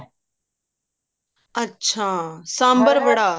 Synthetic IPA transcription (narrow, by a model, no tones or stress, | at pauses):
ɐtːɕʰaːsãːmbəɾʋəɽaː